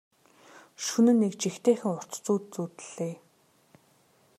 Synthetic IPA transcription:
ʃunɘ̆nːekt͡ɕixt̪ʰeːxɘ̆ŋʊr̥t̪t͡suːt̪t͡suːt̪ɘ̆ɮ̥eː

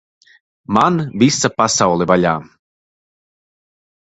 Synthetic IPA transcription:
manvʲisapasawlˠɛvalʲaː

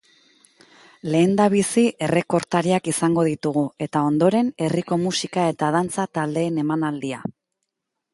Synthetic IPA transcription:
le̞ːnd̪aβ̞isie̞re̞ko̞ɾt̪aɾiakisaŋɡo̞ð̞it̪uɣ̞ue̞t̪ao̞nd̪o̞ɾe̞ne̞riko̞musikae̞t̪að̞ant͡sat̪ald̪e̞ːne̞manald̪ia

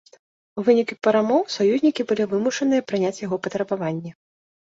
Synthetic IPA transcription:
vɨnʲikʲpɐɾamɔwsajuzʲnʲikʲibɨlʲivɨmuʂɐn̪ɨjɐpɾɨnʲat͡sʲjaɣɔpɐt̪ɾɐbavanʲːɛ

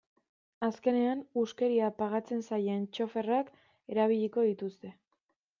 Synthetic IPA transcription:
aske̞ne̞anuske̞ɾiapaɣat͡se̞nsajent͡ʃo̞fe̞rak | e̞ɾaβ̞iʎiko̞ðit̪ust̪e̞

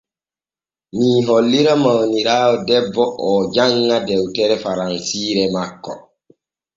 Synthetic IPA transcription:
niːɦɔlːiɾamawniɾaːɔdɛbːɔʔɔd͡ʒaŋːadɛwtɛɾɛfaɾansiːɾɛmakːɔ

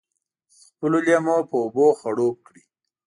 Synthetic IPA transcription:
xpəloljamopəoboxaɽop̚kɽi

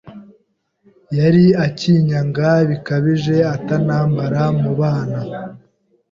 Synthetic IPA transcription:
jaɾiaciːɲaŋɡaβikaβiʒe̞atanaːmbaɾamuβaːna

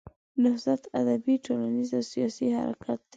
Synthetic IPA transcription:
nɪhzat̪ad̪abiʈolanizawsijɑsiha̰ɾa̰kʰat̪̚d̪

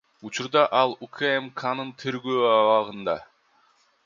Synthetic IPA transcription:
ut͡ʃuɾd̪ɑʔɑlˠukʰaemkʰanɯnt̪ʰeɾɡøːɑwɑʁɯnd̪ɑ

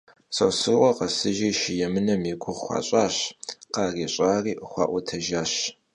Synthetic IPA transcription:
sʼɐ̰sɨrʔʷɔqɐsɨʒiːʃɪjɛmɨnɐmiɡʷʊʁxʷɑ̰ːɕʼaːɕqɑːriːɕʼaːriːʔəχʷɑ̰ːʔʷɔtʰɐʒaːɕ

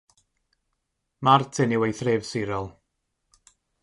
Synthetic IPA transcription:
martʰɪniwejθrɪːvsɪɾɔlˠ

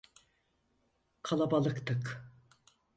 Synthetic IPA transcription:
kʰalˠabalˠɯkt̪ʰɯk

